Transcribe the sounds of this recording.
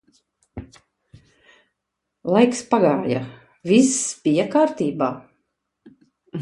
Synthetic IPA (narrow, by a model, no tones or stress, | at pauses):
lˠajkspaɡaːja̰ | visːb̥ijakaːɾt̪iːbaː